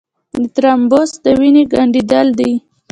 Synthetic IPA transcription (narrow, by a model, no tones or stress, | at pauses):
d̪ət̪ɾambosd̪əwineɡaɳɖid̪əld̪ij